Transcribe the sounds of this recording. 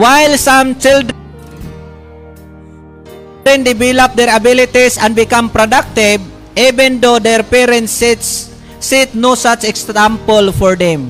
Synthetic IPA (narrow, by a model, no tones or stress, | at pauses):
wajlsãmt͡ʃild | ɾɛ̃nd̪ɪbɛlap̚d̪ɛɹabilɪt̪isãnbɪkãmpɾod̪ak̚t̪ɪb̚ | ivɛ̃nd̪od̪ɛɹpɛɾɛ̃nt̪st̪ | sit̪̚nosat͡ʃɛksãmpɔlfɔɹd̪ɛ̃m